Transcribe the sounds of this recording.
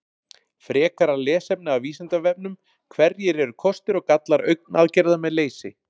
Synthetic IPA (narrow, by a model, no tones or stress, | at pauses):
fɾɛːkaɾalɛːsɛp̚nɪawviːsɛnt̪avɛp̚nʏm | kʰvɛɾjɛɾɛɾʏkʰɔst̪ɪɾɔɣkat̪laɾœ̰ɥk̚naðcɛɾðamɛðleːjsɪ̰